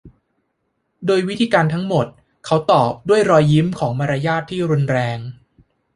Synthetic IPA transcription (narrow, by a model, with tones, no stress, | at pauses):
doː˧jwi˦˥t̪ʰiː˧kaː˧nt̪ʰa˦˥ŋmo˨˩t̪̚ | kʰa˦˥wt̪ɔː˨˩p̚du˥˩əjɾɔː˧jːi˦˥mkʰɔː˩˦ŋma˧ɾa˧jaː˥˩t̪ʰːiː˥˩ɾu˧nɾɛː˧ŋ